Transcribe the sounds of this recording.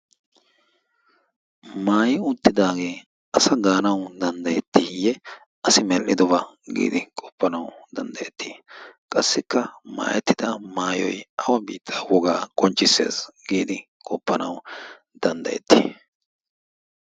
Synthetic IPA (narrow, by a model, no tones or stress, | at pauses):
maːjɪʊt̪ːɪd̪aːɡe̞ː | ɐsɐɡaːnɐwd̪ɐnd̪ɐjɛt̪ːɪjɛ | ʔɐsɪmɛlʔʔɪd̪ɔbɐ | ɡḭːd̪ɪkʼɔpːɐnɐwd̪ɐnd̪ɐjɛt̪ʰːi̥ːkʼɐsːɪkːɐma̰ːjɛt̪ːɪd̪ɐmaːjɔ̰jɐwɐbiːt̪ʰːawɔɡaːkʼɔnt͡ʃʼːɪsːḛːsɡ̥iːd̪ɪ | kʼɔpːɐnɐw | d̪̥ɐnd̪ɐ̰jɛ̰t̪ːḭ